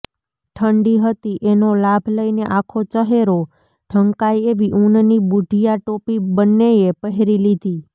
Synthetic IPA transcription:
t̪ʰəɳɖiɦət̪iʔenolabʱləineʔakʰot͡ʃəɦeɾo | ɖʱəŋkajeʋiʔunnibuɖʱijaʈopibənːeepəɦeɾilid̪ʱi

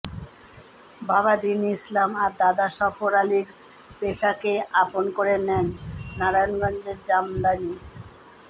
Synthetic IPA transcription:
babad̪inislamaɾd̪ad̪aʃɔfoɾaliɾ | peʃakeaponkoɾenɛnːaɾajonɡɔnd͡ʑeɾd͡ʑamd̪ani

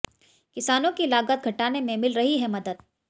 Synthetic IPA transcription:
kɪsaːnõkilaːɡət̪̚ɡʱɐʈaːnemẽmɪlɾɐɦiɦɛmɐd̪əd̪̚

